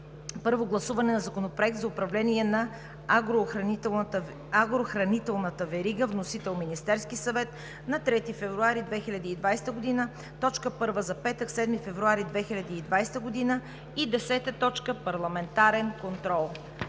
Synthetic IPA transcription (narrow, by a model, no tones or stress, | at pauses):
pɤɾvoɡlˠɐsuvɐnɛnɐzɐkonopɾoɛk̚t̪zɐʊpɾɐvlɛniɛnɐ | ɡɾoxˠ | aɡɾoxɾɐnit̪ɛlˠnət̪əvɛɾiɡəvnosit̪ɛlˠminist̪ɛɾskisɐvɛt̪ | nɐt̪ɾɛt̪ifɛvɾuaɾid̪vɛxilʲɐd̪iːd̪vajsɛ̥t̪əɡod̪inə | t̪ɔt͡ʃkəpɤɾvəzɐpɛt̪əksɛd̪mifɛvɾuaɾid̪vɛxilʲɐd̪iːd̪vajst̪əɡod̪inə | id̪ɛsɛt̪ət̪ɔt͡ʃkəpɐɾlˠɐmɛnt̪aɾɛnkont̪ɾɔlˠ